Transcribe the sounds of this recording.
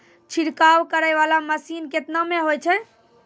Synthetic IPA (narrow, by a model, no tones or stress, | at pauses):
t͡ʃʰiɽkawkəɾəjʋalaməsinket̪nameɦojt͡ʃʰɛ